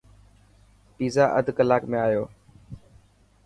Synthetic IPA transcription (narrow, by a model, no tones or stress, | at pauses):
piːzaːʔəd̪ʱkəlaːkmẽaːjoː